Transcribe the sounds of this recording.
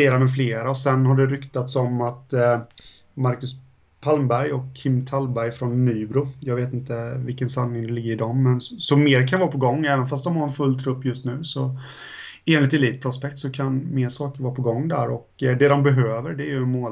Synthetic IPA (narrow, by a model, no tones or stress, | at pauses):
eːɾamɛfleːɾaɔsɛnhaɖɛɾʏkt̪at̪sɔmat̪ | maɾkɵs | pʰalmbæɾjɔkʰːɪmːt̪ʰalbæɾjfɾɔnːyːbɾʊjɑːɡveːt̪ɪnt̪əvɪlkːənsanːɪŋd̪ɛlɪɡːəɾɪd̪ɔmːɛnsɔmeːɾkʰanvɑːɾpʰɔɡɔŋːɛːvənfast̪̚d̪ɔmhaɾɛnfɵlːt̪ʰɾɵpːjɵst̪nʉ̟ːsɔ | eːnlɪt̪ɛliːt̪̚pʰɾʊspɛk̚t̪sɔkʰanmeːʂɑːkəɾvɑːpʰɔɡɔŋːd̪æɾɔkd̪ɛd̪ɔmbɛɦøːvəɾɖɛjɵmoː